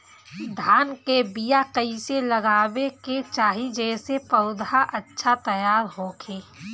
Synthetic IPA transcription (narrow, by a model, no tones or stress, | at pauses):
d̪ʱaːnkebijakɐɪselɐɡaːweket͡ʃaːɦid͡ʒɛːsepɐʊd̪aʔɐtːʃʰat̪ɐjaːɾɦoːkʰeː